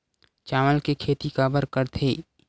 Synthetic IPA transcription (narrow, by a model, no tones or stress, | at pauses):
t͡ʃaːməlkekʰeːt̪ikaːbəɾkəɾt̪ʰeː